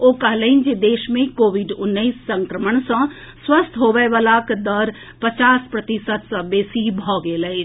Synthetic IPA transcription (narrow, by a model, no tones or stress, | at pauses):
oːkɐɦləind͡ʒed̪eːʃmẽkoːʋiɖʊnːəisːə̃ŋkɾəməɳsə̃ | swəst̪ʰɦoːʋəjʋaːlakd̪əɾ | pət͡ʃaːspɾət̪ɪsət̪sə̃beːsibʱɔːɡeləi